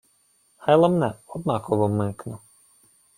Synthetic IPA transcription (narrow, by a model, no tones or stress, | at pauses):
hɑjlˠamnɛɔd̪̚nɑkɔʋɔmɪknʊ